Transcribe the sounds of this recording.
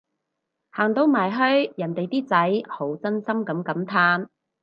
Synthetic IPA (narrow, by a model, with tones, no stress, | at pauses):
haː˨˩ŋt̪o˧wmaː˨˩jɦɵ˥ɥjɐ˨˩nt̪e˨jt̪iː˥t͡sɐ˨˥jho˨˥wt͡sɐ˥nsɐ˥mkɐ˨˥mkɐ˨˥mt̪ʰaː˥n